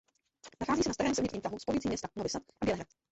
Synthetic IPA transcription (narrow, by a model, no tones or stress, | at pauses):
naxaːziːsɛnast̪aɾɛːmsɛvɲɪt̪ɲiːft̪aɦuspoɲɪtt͡siːmɲɛst̪anovɪslat̪ʔabjɛlɛɦɾat̪